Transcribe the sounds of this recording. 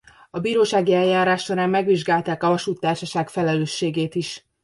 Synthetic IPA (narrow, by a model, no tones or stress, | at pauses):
ɒbiːɾoːʃaːɡiɛljaːɾaːʃːo̞ɾaːmːɛɡʋiʒɡaːlt̪aːkɒvɒʃuːt̪ːaːrʃɒʃaːkfɛlɛløːʃːeːɡeːt̪iʃ